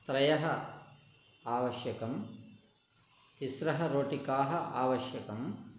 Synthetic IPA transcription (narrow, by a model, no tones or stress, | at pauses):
t̪ɾɐjɐɦɐ | aːʋɐʃjɐkɐm | isɾɐɦɐɾoːʈikaːɦɐʔaːʋɐʃjɐkɐm